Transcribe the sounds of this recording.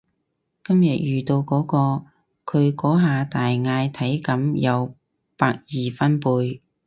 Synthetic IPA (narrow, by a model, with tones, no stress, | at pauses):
kɐ˥mjɐ˨t̚jyː˨t̪o˧wkɔː˨˥kɔː˧ | kʰɵ˨˧ɥkɔː˨˥ɦaː˨˧t̪aː˨jŋaː˧jt̪ʰɐ˨˥jkɐ˨˥mjɐ˨˧w | paː˧k̚jiː˨fɐ˥npuː˧j